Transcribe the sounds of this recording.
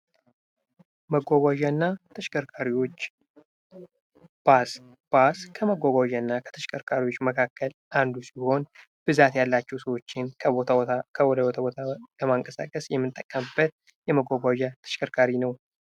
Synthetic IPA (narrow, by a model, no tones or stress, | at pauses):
məɡʷaɡʷaʒanːat̪ʰəʃkʼəɾkʰaɾiwo̞t͡ʃː | b̥as | b̥askʰəməɡʷaɡʷaʒanːakʰə̥t̪ʰəʃkʼʰəɾkʰaɾiwo̞t͡ʃːməkʰakːəlʔand̪usiho̞n | b̥ɨzat̪jalːat͡ʃːɛwsəwo̞t͡ʃːɪnkʰəoakʰəwɔd̪əbot̪ʰabot̪ʰaləmaŋkʼəsa̰kʼəsjɛmːɨnt̪ʼːəkʼːəmɨbət̪̚ | jɛməɡʷaɡʷaʒat̪ʰə̥ʃkʰʼəɾkʰaɾinəw